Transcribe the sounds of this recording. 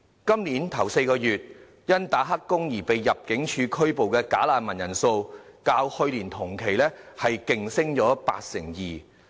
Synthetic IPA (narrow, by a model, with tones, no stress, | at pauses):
kɐ˥mniː˨˥nt̪ʰɐ˨˩wse˧jkɔː˧jyː˨t̚ | jɐ˥nt̪aː˨˥ɦɐ˥kːʊ˥ŋjiː˨˩pe˨jːɐ˨p̚kɪ˨˥ŋt͡ʃʰyː˨˧kʰɵ˥ɥpo˨wkɛː˧kaː˨˥laː˨˧nmɐ˨˩njɐ˨˩nso˧wkaː˧whɵ˧ɥliː˨˩nt̪ʰʊ˨˩ŋkʰe˨˩jlɛː˥hɐ˨jkɪ˨ŋsɪ˥ŋt͡ʃɔː˨˥pa̰ː˧t̚sɪ˨˩ŋjiː˨˩